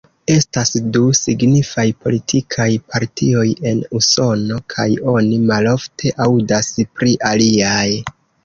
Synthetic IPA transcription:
e̞stasdusiɡnifajpo̞litʰikʰajpʰaɾtʰio̞je̞nuso̞no̞kʰajo̞nimalo̞ftʰe̞ʔawdaspɾiʔaliaj

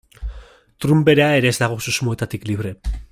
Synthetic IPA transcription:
t̪ɾumbe̞ɾe̞ae̞ɾe̞ːzd̪aɣ̞o̞susmoe̞t̪at̪ikliβɾe̞

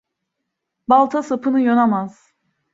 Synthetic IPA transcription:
balˠt̪ʰasapʰɯnɯjonamaz̥

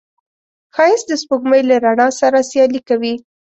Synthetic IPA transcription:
xɑjɪsd̪əspoɡməjlaɾaɳɑsaɾasjɑlikawi

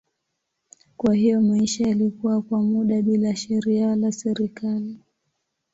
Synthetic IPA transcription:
kwahijɔmaiʃajalikuwakwamuɗaɓilaʃɛɾialasɛɾikali

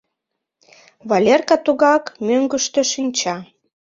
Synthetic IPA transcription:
βɑlʲerkɑt̪uɣɑkmøŋɡə̆ʃt̪ø̆ʃinʲt͡ɕɑ

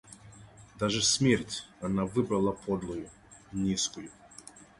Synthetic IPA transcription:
d̪aʐɛsʲmʲertʲanavɨbɾɐlˠapʰɔd̪lˠʊjʊ | nʲiskʊjʊ

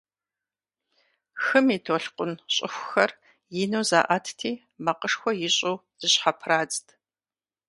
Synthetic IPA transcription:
xɨmiːtʰoɬqʷʼʊnɕʼɪxʷʊxɐr | jɪnowza̰ːʔatʰtʰiː | mɐqəʂxʷɔjɪɕʼowz̥ɨɕħapʰraːd͡ztʰʼ

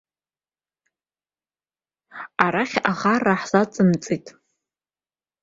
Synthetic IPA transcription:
aɾaχʲaχaraħzat͡sʼɨmt͡sʼitʼ

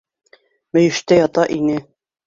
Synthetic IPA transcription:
mɘ̆jɘ̆ʃt̪æjɑt̪ɑʔinɘ

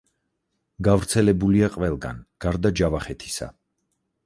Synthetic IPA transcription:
ɡavɾt̪sʰɛlɛbuliaqʼvɛlˠɡa̰nɡ̥aɾd̪ad͡ʒavaχɛt̪ʰi̥sa̰

